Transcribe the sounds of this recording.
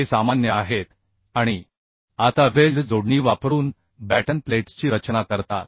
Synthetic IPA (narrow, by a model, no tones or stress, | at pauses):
ɦesamanjəaɦet̪ | aɽ̃i | at̪aʋeɭɖd͡zoɽɳiːʋapɾuːn | bæʈənpleʈst͡ɕiːɾət͡ɕnakəɾt̪a̰t̪̚